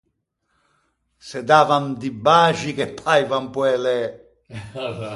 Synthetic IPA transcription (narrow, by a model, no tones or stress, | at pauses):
sɛd̪aːvamd̪ibaːʒikepʰːajvampwɛlɛ